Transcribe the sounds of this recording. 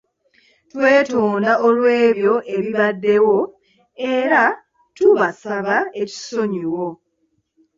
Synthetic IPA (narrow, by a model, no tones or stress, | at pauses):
twe̞ːtoːndaʔolwe̞ːβjo̞ʔe̞βiβadːe̞wo̞ | e̞ɾa | tuβasaβae̞ci̥so̞ɲiwo̞